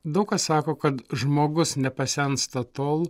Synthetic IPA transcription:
d̪ɐʊkɐssɑːkoːkɐt̪ʒmoːɡʊsnʲɛpɐsʲɛnst̪ɐt̪oːlˠ

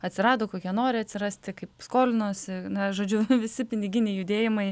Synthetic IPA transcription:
ɐt̪ʲsʲɪɾɑːd̪oːkoːkʲiɛnoːɾʲɪɐt̪ʲsʲɪɾɑsʲt̪ʲɪkɐɪpskoːlʲɪnoːsʲɪnɐʒoːd͡ʒʲʊʋʲɪsʲɪpʲɪnʲɪɡʲɪnʲɛɪjʊd̪ʲeːjɪmɐɪ

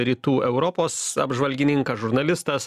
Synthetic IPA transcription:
ɾʲiːt̪uːʔɛʊɾɔpoːsɐ̰bʒʋɐlʲɡʲɪnʲɪŋkɐʒʊɾnɐlʲɪst̪ɐs

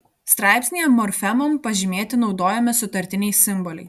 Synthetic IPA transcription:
st̪ɾɑˑɪpʲsʲnʲejɛmːɔɾʲfʲɛmɔmpɐʒʲɪmʲeːt̪ʲɪnɒʊd̪oːjɛmʲɪsʊt̪ɐɾʲt̪ʲɪnʲɛɪsʲɪmbɔlʲɛɪ

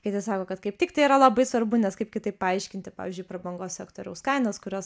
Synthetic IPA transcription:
kɐɪt̪ʲɪsɑːkoːkɐt̪kɐɪp̚t̪ʲɪkt̪ɐɪiɾɐlˠɐbɐɪsʋɐrbʊnʲɛskɐɪpkʲɪt̪ɐɪppɐɐɪʃʲkʲɪnʲt̪ʲɪpɑːʋʲɪzʲd͡ʒʲʊɪpɾɐbɐŋɡoːssʲɛkt̪oːɾʲɛʊskɐɪnoːskʊɾʲoːs

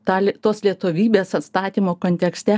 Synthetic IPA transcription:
t̪ɑːlʲt̪oːslʲiɛt̪oʋʲiːbʲeːsɐt̪st̪ɑːt̪ʲiːmoːkoːnʲt̪ʲɛksʲt̪ʲɛ

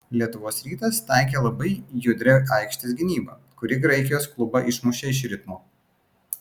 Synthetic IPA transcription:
lʲiɛt̪ʊʋoːsɾʲiːt̪ɐst̪ɑˑɪkʲelˠɐbɐɪjʊd̪ʲɾʲɛɑɪkʃʲt̪ʲɪsɡʲɪnʲiːbɐ | kʊɾʲɪɡɾɐɪkʲɪjoːsklˠʊbɐʔɪʃmʊʃʲeɪʃ̬ɾʲɪt̪moː

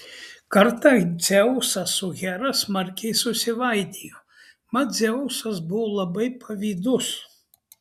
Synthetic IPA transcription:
kɐɾt̪ɐd̪zʲɛʊsɐsʊɣʲæɾɐsmɐɾʲkʲɛɪsʊsʲɪʋɐɪd̪ʲiːjoː | mɐzʲɛʊsɐs̬bʊʋoːlˠɐbɐɪpʰɐʋʲiːd̪ʊs

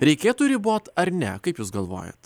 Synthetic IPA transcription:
ɾʲɛɪkʲeːt̪uɾʲɪboːt̪ɐɾnʲɛ̰kɐɪpjuːsɡɐlˠʋo̰ːjɛ̰t̪

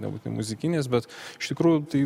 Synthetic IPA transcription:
nʲɛbut̪ʲɪnɪ̰mʊzʲɪkʲɪnʲeːsbʲɛt̪ɪʃt̪ʲɪkɾuːjʊt̪ɐɪ

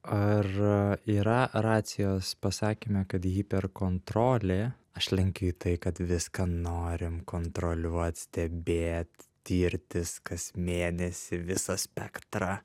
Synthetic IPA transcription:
ɐriːɾɐrɑːt̪sʲɪjoːspɐsɑːkʲiːmʲɛkɐt̪jiːpʲɛrkoːnt̪ɾoːlʲeː | ɐʃlʲɛŋʲkʲɛiːt̪ɐɪkɐt̪ʋʲɪskɐnoːɾʲɪmkoːnt̪ɾolʲuɔɔt̪ʲsʲt̪ʲɛbʲeːt̪ʲt̪ʲiːɾʲt̪ʲɪskɐsmʲeːnʲɛsʲɪʋʲɪsɐsʲpʲɛkt̪ɾɑ

